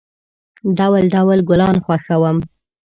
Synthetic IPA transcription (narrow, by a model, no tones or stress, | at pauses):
ɖawlɖawlɡʊlɑnxwaxawəm